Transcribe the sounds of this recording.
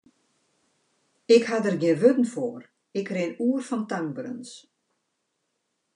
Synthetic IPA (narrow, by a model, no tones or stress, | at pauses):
ɪkhadərɡjɪənʋøtn̩foːr | ɪkrɪnuərfɔntaŋbrø̰ns